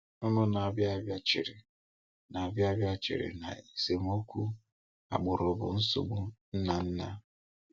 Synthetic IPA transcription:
ʊ˦nʊ˦na˨a˨bja˦bja˦t͡ʃɪ˨ɾɪ˨ | na˨a˨bja˦bja˦t͡ʃɪ̰˨ɾɪ̰˨na̰˨i˨se˨m˦o˦kʷu˦ | a̰˨ɡ͡bʊ˨ɾʊ˨bʊ̰˨n̩˦sʊ̰˨ɡ͡bʊ˦n̩˦na˨n̩˦na˦

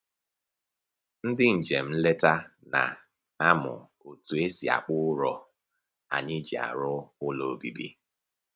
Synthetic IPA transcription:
n̩˦dɪ˦n̩˨d͡ʒe˨m̩˦le˦ta˦na̰˨ | a˦mʊ̰˨ | o˨tu˨e˦si˨a̰˨k͡pʊ˦ɾɔ˨ | a̰˨ɲɪ˦d͡ʒḭ˨a̰˨ɾʊ˦ʊ˦lo˨bi˦bḭ˦

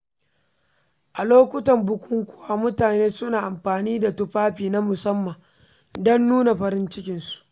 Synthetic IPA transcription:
ʔa˨loː˦kʷʊ˦tɐ˨mbʊ˨kʷʰʊ˦ŋkʷʊ˦wa˦mʊ˦taː˨neː˦sʊ˦naː˨ʔa˨mɸaː˨niː˦da˨tʊ˦ɸaː˦ɸiː˨na˦mʊ˨sɐ˦mːɐ˨ŋ | dɔ˦nːuː˦na˨ɸɐ˨ɾɪ˦nt͡ʃɪ˦kʲɪ˨nsu̥˨ʔ

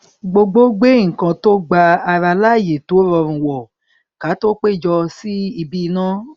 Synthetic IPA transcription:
ɡ͡bo˧ɡ͡bo˦ɡ͡bẽ˦˨kã˧to˦ɡ͡ba˧a˧ɾa˧la˦˨je˨to˨˦ɾɔ˧ɾ̃ũ˧wɔ˨ | ka˨˦to˦k͡pe˦˨d͡ʒɔ˧si˦i˧bi˦˧nãː˦

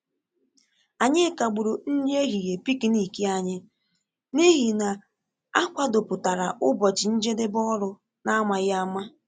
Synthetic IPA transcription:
a˨ɲɪ˦ka˨ɡ͡bu˨ɾo˨n̩˦ɲ˦e˦ɦi˨je˨pi˦ki˦ni˨ki˦a˦ɲɪ˦ | ni˦ɦi˨na˨ | a˦kʷa˦do˨pʊ˨ta˨ɾa˨ʔʊ˦bɔ˨t͡ʃɪ˨n̩˦d͡ʒe˦de˦bɔ˦ɾʊ˦ | na˦ma˨ɣa˦ma˦

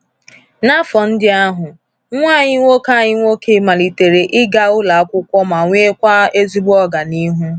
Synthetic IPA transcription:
na˦fɔ˨n̩˦dɪ˦a˦ɦʊ˨ | ŋʷa˦˨ɲɪ˦ŋʷo˦ka˦˨ɲɪ˦ŋʷo˦kʰe˦ma˨li˨te˨ɾe˨ʔɪ˦ɡa˦ʊ˦la˨a˦kʷʊ˦kʷɔ˦ma˨ŋʷ˦e˦kʷa˦e˦zi˦ɡ͡bɔ˦ɡa˨ni˦ɦu˦

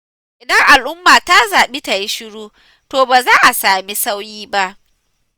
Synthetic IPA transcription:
ʔɪ˨dɐ˦ŋʔa˨lʔʊ˦mːaː˨ta˦zaː˨ɓi˦ta˨ji˦ʃɪ˦ɽuː˦ | toː˨baː˨zaː˦ʔa˨saː˨mi˦sa˦wjiː˦ba˦ʔ

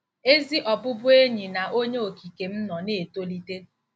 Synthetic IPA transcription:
e˦zi˦ʔɔ˨bʊ˦bʊ˦e˦ɲi˨na˨o˦ɲe˦o˨ki˨ke˨m̩˦nɔ˨ne˦˨to˦li˦te˦

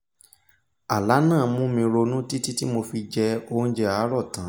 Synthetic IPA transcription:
a˨la˨˦nãː˦˨mũ˦mĩ˧ɾo˧nũ˦ti˦ti˦ti˦mo˧fi˧d͡ʒɛ˧o˧˦d͡ʒɛ˧a˨˦ɾɔ˦˨tã˨˦

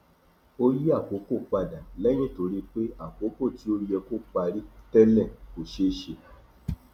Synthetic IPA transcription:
o˦ɾi˦a˦˨ko˨˦ko˦˨k͡pa˧˨da˨lɛ˦j̃ĩ˦˨to˧˦ɾi˦k͡pe˦a˨k͡po˨˦ko˦˨ti˨˦o˦ɾi˦jɛ˧ko˦k͡pa˧ɾi˦tɛ˦lɛ̃˦˨ko˨ʃe˦ʃe˧

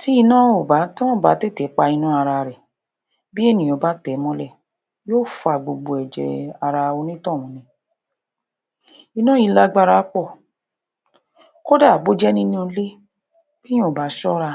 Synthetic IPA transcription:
ti˨˦i˧nã˦o˦˨ba˨˦tã˦w̃ɔ̃˦˨ba˨˦te˦˨tɛ˨˦k͡pa˧i˧nũ˦a˧ɾa˧ɾɛ˨ | bi˦e˦˨nĩ˨o˨˧˦ba˦tɛ˨˦mɔ̃˦lɛ˦˨ | joː˦fa˨ɡ͡bo˨ɡ͡bo˨ɛ˨d͡ʒɛ̰˨a˧ɾa˧o˧˦nĩ˦tɔ̃˦˨w̃ɔ̃˨˦nĩ˧ | i˧nã˦i˧la˧˦ɡ͡ba˧ɾa˧˦k͡pɔ˦˨ | ko˦da˦˨bo˦d͡ʒɛ˦nĩ˦nĩ˦õ˧˦le˦ | b̥ĩ˦˨ba˨˦ʃɔ˦ɾa˧

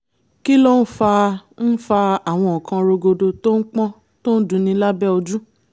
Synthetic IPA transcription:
ki˦lɔ˦˨n̩˦fa˧n̩˦fa˧a˨w̃ɔ̃˧ɔ˨kã˧ɾo˧ɡo˧do˧to˦n̩˦k͡pɔ̃˦ | to˦n̩˦dũ˨˧nĩ˧˦la˦bɛ˦o˧d͡ʒu˦

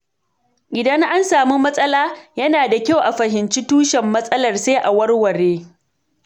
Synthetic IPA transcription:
ʔɪ˨dɐ˦ŋʔa˦nsaː˨mi˦mɐ˦sʼɐ˦laː˦jɐ˦naː˨da˨kʲa˦˨wʔa˨ɸɐ˨ɦɪ˨nt͡ʃi˦tuː˦ʃɛ˨mːɐ˦sʼɐ˦lɐ˨rse˦ʔa˨wɐ˦rwɐ˨ɽeː˦

